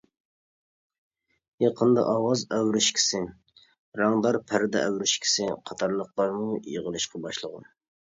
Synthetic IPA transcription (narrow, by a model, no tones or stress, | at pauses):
jɑqʰənd̪ɑ̰ʔɑwɑzæwɾɪʃkʲʰi̥sɪ | ɾɑŋd̪ɑɾpʰæɾɪd̪ɛʔæwɾɪʃkʲʰɪ̥sɪqʰɑt̪ʰɑɾlˠəqlˠɑɾmujə̰ʁəlˠɨʃqʰɑbɑʃlˠəʁʊ̰